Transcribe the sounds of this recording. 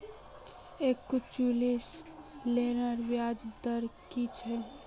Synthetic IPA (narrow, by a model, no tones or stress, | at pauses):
ekːut͡ʃulislenəɾbjad͡ʒd̪əɾkit͡ʃʰɛ